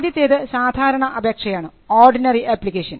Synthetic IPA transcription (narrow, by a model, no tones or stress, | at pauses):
d̪jɐt̪ːeːðɨsaːd̪ʱaːɾɐɳɐʔɐbʱeːkʂɐjaːɳɨoːrɖinɐriʔeːplikeːʂɐn